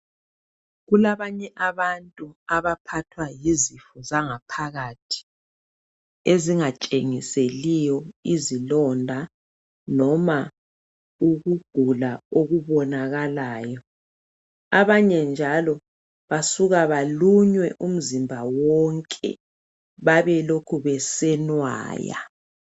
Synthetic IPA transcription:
ɣulaβaɲɛʔaβantʼuaβapʰatʰwajizifuzaŋapʰaɣatʰi̥ | eziŋat͡ʃʼeŋiselijɔizilɔndʱa | nɔma | uɣuɡ̥ʱulaoɣuβɔnaɣalaːjɔ | aβaɲɛnd͡ʒʱalɔ | βasuɣaβaluɲwɛʔum̩zimbʱawɔŋkʼɛ̰ | βaβɛlokʰuβɛsɛnwa̰ːja̰

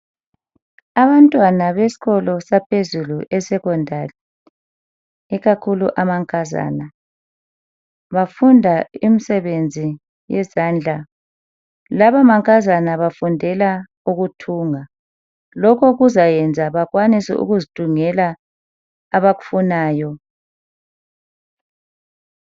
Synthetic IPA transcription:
aβantʼwanaβesi̥ɣɔlɔsapʰezuluʔɛsɛkɔndʱali | ɛɣakʰulṵʔamaŋkʼaza̰ːna | βafundʱaimisɛβend͡zʱi | jɛzaːnd͡ɮʱa | laβamaŋkʼazanaβafundʱɛla | uɣutʰuːŋa | lɔkʰɔɣuzajɛnd͡zʱaβaɣwanisɛ̰ʔṵɣuzid̥ʱuŋɛlaː | βaɣu̥funaːjɔ

